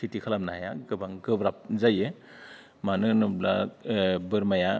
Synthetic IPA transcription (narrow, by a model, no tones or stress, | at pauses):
sitikʰalam̚nahajaɡɯbaŋɡɯbɾap̚zaje | manɯnɯbla | bɯɾmaja